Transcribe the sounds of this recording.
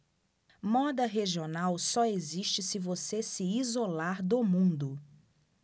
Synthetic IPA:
mɔd̪ɐɦeʒionawsɔeziʃt͡ʃɪsɪvosesɪiːzolaɾd̪ʊmũnd̪ʊ

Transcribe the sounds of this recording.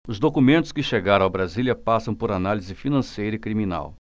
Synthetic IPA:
ʊzd̪okumẽnt̪ʊ̥skɪʃeɡaɾ̃awbɾaziliɐpasɐ̃w̃poɾanalizɪfinɐ̃sejɾɐɪkɾimĩna̰w

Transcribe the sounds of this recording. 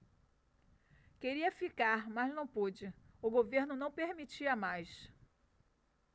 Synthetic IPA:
keɾiɐfikaɾmɐznɐ̃w̃pod͡ʒɪʊɡoveɾnʊnɐ̃w̃peɾmit͡ʃiɐmajs

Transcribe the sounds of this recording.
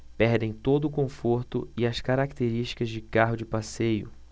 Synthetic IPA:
pɛɾd̪ẽj̃t̪od̪ʊːkõfoɾt̪ʊ̰ɪɐskaɾakt̪eɾiʃt͡ʃi̥kɐzd͡ʒɪkaɦʊd͡ʒɪpasejʊ̰

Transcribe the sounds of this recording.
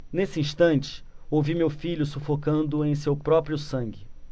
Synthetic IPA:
nesɪĩʃt̪ɐ̃nt͡ʃɪ̥ | owvimewfiʎʊsufokɐ̃nd̪ʊẽj̃sewpɾɔpɾiʊsɐ̃ŋɡɪ

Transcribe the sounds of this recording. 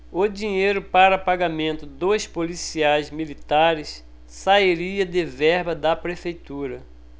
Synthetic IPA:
ʊd͡ʒĩɲejɾʊpaɾɐpaɡamẽnt̪ʊd̪ojspolisiajzmilit̪aɾɪs | saiɾiɐd̪ɪvɛɾbɐd̪ɐpɾefejt̪uɾɐ

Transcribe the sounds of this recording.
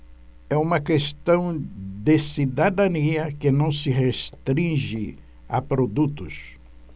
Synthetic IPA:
ɛũmɐkest̪ɐ̃w̃d̪esid̪ad̪ɐniɐkɪnɐ̃w̃sɪɦest̪ɾĩʒɪ | a̰pɾod̪ut̪ʊs

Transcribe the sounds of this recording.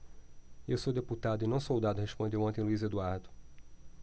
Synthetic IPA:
ewsowd̪eput̪ad̪ʊɪnɐ̃w̃sowd̪ad̪ʊɦespõnd̪ewõt̪ẽj̃luized̪uaɾd̪ʊ

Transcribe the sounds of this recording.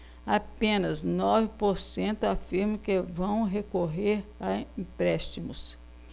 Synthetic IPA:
apẽnɐznɔvɪpoɾsẽnt̪ʊafiɾmɐ̃kɪvɐ̃w̃ɦekoɦeɾaĩpɾɛʃt͡ʃimʊs

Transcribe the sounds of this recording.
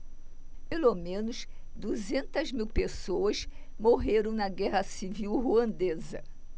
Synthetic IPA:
pelomẽnʊs | d̪uzẽnt̪ɐzmiwpesowɐs | moɦeɾɐ̃w̃nɐɡɛɦɐsiviwɦuɐ̃nd̪ezɐ̰

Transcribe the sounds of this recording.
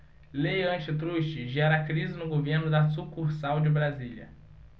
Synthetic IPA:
lejɐ̃nt͡ʃɪt̪̬ɾuʃt͡ʃɪʒɛɾakɾizɪnʊɡoveɾnʊd̪ɐsukuɾsawd͡ʒɪbɾazilʲɐ̰

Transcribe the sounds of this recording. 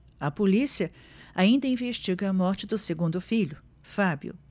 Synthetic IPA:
ɐpolisiɐ | aĩnd̪ɐĩveʃt͡ʃiɡɐːmɔɾt͡ʃɪd̪ʊseɡũnd̪ʊfiʎʊ | fabjʊ̰

